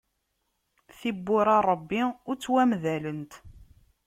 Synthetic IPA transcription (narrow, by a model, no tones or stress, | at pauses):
θibːʊɾɑɾˤəbːiʊɾt͡sːwæmðælənt̪